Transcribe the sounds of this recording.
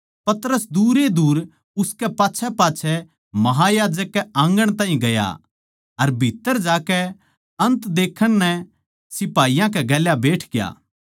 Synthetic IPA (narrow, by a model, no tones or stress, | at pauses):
pɐt̪ɾəsd̪uːɾed̪uːɾ | ʊskɛpaːt͡ʃʰɛpaːt͡ʃʰɛ | mɐɦajaːd͡ʒəkːɛãːŋɡəɽ̃t̪ãːɦĩɡɐja̰ | ɐɾbʱɪt̪ːəɾd͡ʒaːkɛ | ɐ̃nt̪d̪eːkʰəɽ̃nɛ | sɪpaːijãk̬ɛɡɛːljabeːʈʰɡɪja̰ː